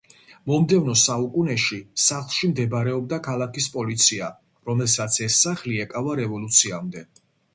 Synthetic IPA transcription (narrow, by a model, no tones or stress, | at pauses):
mɔmd̪ɛvnɔsaukʼunɛʃisaχlˠʃimd̪ɛbaɾɛɔb̚d̪akʰalˠakʰispʼɔlit̪sʰia | ɾɔmɛlsat̪sʰɛsːaχliɛkʼavaɾɛvɔlut̪sʰiamd̪ɛ